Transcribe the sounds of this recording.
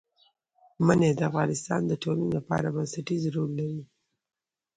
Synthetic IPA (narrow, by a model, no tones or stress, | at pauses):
maned̪əafɣɑnɪst̪ɑ̰nd̪əʈolinlapɑ̰ɾabansaʈizɾolːaɾi